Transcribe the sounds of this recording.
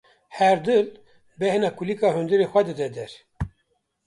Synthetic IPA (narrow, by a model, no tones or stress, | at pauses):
hɛɾd̪ɨl | bɛhnɑːkulikɑːɦund̪ɨɾeːxʷɛd̪ɨd̪ɛd̪ɛɾ